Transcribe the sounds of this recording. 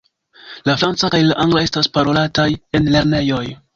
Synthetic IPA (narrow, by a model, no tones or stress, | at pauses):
lafɾant͡sakajlaʔaŋɡlae̞staspaɾo̞lataje̞nle̞ɾne̞jo̞j